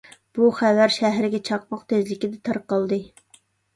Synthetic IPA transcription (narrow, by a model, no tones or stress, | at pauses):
b̥uχævæɾʃæɦɾɪɡʲɛt͡ʃʰɑq̚mɑqt̪ʰezlɪkʲid̪ɛt̪ʰɑɾqɑlˠd̪ɨ